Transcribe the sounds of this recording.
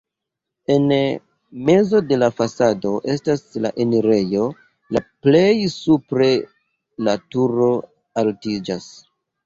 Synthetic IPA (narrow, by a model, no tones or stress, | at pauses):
e̞n | me̞zo̞de̞lafasado̞ʔe̞stasla̰ʔeniɾe̞jo̞ | laple̞jsupɾe̞ | latuɾo̞ | altid͡ʒas